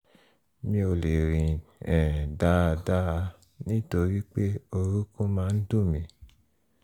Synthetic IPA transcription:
mĩ˧o˧le˨ɾĩ˨ɛ̃˨da˦˧˨da˦˧ | nĩ˦to˧ɾi˦k͡pe˦o˧ɾu˦kũ˦mãː˧˦n̩˦dũ˦˨mĩ˨

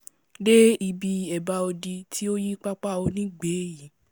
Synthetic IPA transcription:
de˦i˧bi˧ɛ˨ba˧o˧di˧tʰi˦o˦ji˦k͡pa˦k͡pa˦o˧nĩ˦ɡ͡beː˨˦ji˨˦

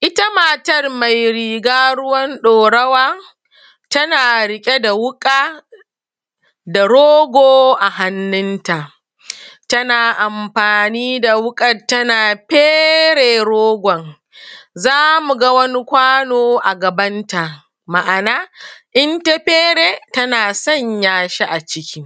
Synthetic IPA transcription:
ʔɪ˦tɐ˦maː˨tɐ˦rma˨jɾiː˨ɡaː˦ɽʊ˦wɐ˦nɗoː˨ɽɐ˦waː˦ | tɐ˦naː˨ɽɪ˦kʲʼe˦da˨wʊ˦kʼaː˦ | da˨ɽoː˦ɡʷoː˦ʔa˨ha˨nːɪ˦nta˨ʔ | tɐ˦naː˨ʔa˨mɸaː˨niː˦da˨wʊ˦kʼɐ˨tːɐ˦naː˨ɸeː˦ɽeː˨ɽoː˦ɡʷɔ˨ŋ | zaː˦mu˨ɡa˦wɐ˦ni˦kʷaː˦noː˦ʔa˨ɡɐ˨bɐ˦nta˨ʔ | ma˨ʔa˨naː˦ʔɪ˦nta˦ɸeː˦ɽeː˨tɐ˦naː˨sɐ˦ɲjaː˨ʃe˦ʔa˨t͡ʃɪ˦kʲi˦

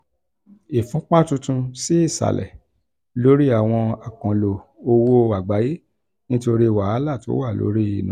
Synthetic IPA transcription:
i˨fũ˨˦k͡pã˦tũ˧tũ˧si˦i˦˨sa̰˨lʔɛ̰˨ | lo˨˦ɾi˦a˦˨w̃ɔ̃˧a˨kã˨lo˨o˧wo˦a˨ɡ͡ba˨˦je˦ | nĩ˦to˧ɾi˦˨wa˨a˦la˦˨to˨˦wa˦˨lo̰˨˦ɾi˦i˨nũ˨˦

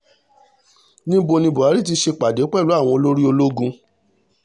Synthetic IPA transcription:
nĩ˦bo˧nĩ˧bɔ˨a˨˦ɾi˦˨t̬i˧ʃe˧k͡pa˨de˨˦k͡pɛ˦˨lu˨˦a˦˨w̃ɔ̃˧o˧lo˦ɾi˦o˧lo˦ɡũ˧

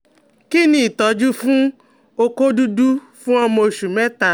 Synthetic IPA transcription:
ki˦nĩ˦˨i˨tɔ˨˦d͡ʒu˦fũ˦ | o˧ko˦du˦du˦ | fũ˦ɔ˦mɔ̃˧˨ʃu˨mɛ˦ta˨

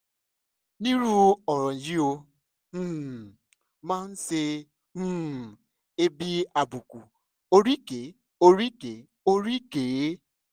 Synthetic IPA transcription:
ni˦ɾu˦ɔ˨ɾɔ˨ji˦õ˧˦˨ | mã˦n̩˦se˧ | ũ˦˨ | e˦bi˦a˨bu˨ku˨ | o˦ɾi˦ke˨ | o˦ɾi˦ke˨ | o˦ɾi˦ke˨˦

